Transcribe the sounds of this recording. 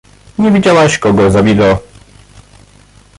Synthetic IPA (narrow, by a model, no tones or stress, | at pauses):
ɲevʲid͡ʑawaɕkɔɡɔzabʲilɔ